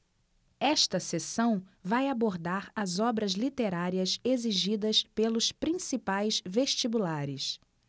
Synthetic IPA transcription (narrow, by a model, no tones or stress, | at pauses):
ɛʃt̪ɐsesɐ̃w̃vajaboɾd̪aɾɐzɔbɾɐzlit̪eɾaɾiɐseziʒid̪ɐspelʊspɾĩsipajsveʃt͡ʃibulaɾɪs